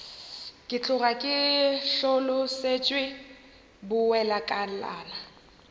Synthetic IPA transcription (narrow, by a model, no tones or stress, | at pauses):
kʼɪt͡ɬʼʊrakʼɪɬolʊset͡ʃʼwɪ | bʊwɛlakʼala̰ːna